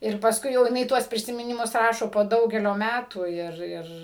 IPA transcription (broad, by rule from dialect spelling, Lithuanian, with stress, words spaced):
ɪr pɐsˈkʊɪ jɛʊ jɪˈnɐɪ ˈtuɔs pʲrʲɪsʲɪmʲɪˈnʲɪmʊs ˈrɑːʃoː poː ˈdɐʊɡʲɛlʲoː ˈmʲætuː ˈɪr ˈɪr